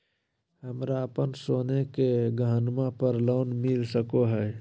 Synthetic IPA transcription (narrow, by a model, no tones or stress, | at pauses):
ɦəmɾaəpənsoːnekeɡəɦənmapəɾloːnmɪlsəkoɦɛː